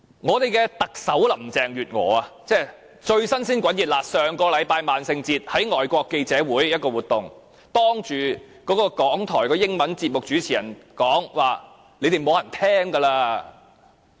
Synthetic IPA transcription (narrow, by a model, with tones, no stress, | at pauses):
ŋɔː˨˧t̪e˨jkɛː˧t̪ɐ˨k̚sɐ˨˥wlɐ˨˩mt͡sɛː˨˩ŋɥyː˨t̚ŋɔ̰ː˨˥ɐ˧t͡sɛː˥˩ | t͡ʃɵ˧ɥsɐ˥nsiː˥nkʷɐ˨˥njiː˨t̚laː˨˧sœː˨ŋkɔː˧lɐ˨˧jpaː˧jmaː˨˩nsɪ˧ŋt͡siː˧t̚hɐ˨˥jŋɔː˨˩jkʷɔː˧kːe˧jt͡sɛː˨˥wuː˨˥jjɐ˥t̚kɔː˧wuː˨˩t̪ːʊ˨˩ŋ | t̪ɔː˥ŋt͡ʃyː˨ | kɔː˨˥kɔː˧kɔː˨˥ŋt̪ʰɔː˨˩jkɔː˧jɪ˥ŋmɐ˨˦nt͡siː˧p̚mʊ˨k̚t͡ʃyː˨˥t͡sʰiː˨˩jɐ˨˩nkɔː˨˥ŋwaː˨ | le˨˧jt̪e˨jmo˨˧whɐ˨˩nt̪ʰɛː˥ŋkɐ˧laː˧